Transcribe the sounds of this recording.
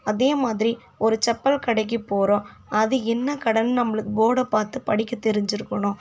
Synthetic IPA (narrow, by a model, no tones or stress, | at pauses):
ɐðeːmaːðɪɾi | ɔɾɯt͡ʃɛpːɐlkɐɽɐɪk̬ːipːoːɾõː | ɐðɯɛnːɐkɐɽɐnnɐmːɐɭɯkːɯboːɽɐpːaːɾt̪ɯpɐɽɪkːɐt̪ːɛɾɪɲd͡ʒɪɾɯkːɐɳʊ̃